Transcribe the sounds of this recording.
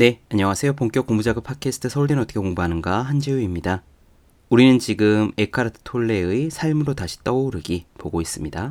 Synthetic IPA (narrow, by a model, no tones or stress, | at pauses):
ne̞aɲawasʰe̞jopoŋk͈jʌkoŋmud͡ʑaɡɯpʰakʰe̞sʰɯ̥tʰɯsʰʌuɭdinɯnʌtʰʌ̥kʰekoŋboɦanɯnɡaɦand͡ʑijuimɲida | uɾinɯnt͡ɕiɡɯme̞kʰaɾɯtʰɯ̥tʰoɭːe̞ɯisʰaɭmɯɾotaɕʰi̥t͈ʌoɾɯɡipoɡois͈ɯmɲida